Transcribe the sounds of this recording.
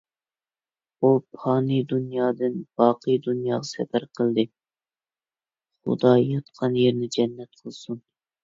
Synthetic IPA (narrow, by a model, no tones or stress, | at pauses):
upʰɑːnɨd̪unjɑːd̪ɨnb̥ɑːqʰɨjd̪unjɑːʁɑsɛpæɾqʰəlˠd̪ɨ | χʊ̰d̪ɑjɑt̪qʰɑnjeɾnɪd͡ʒɛnːɛt̪̚qʰəlˠsun